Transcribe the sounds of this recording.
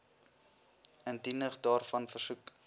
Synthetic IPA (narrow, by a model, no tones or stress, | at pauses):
əntindəχdɑːrfɐnfərsuk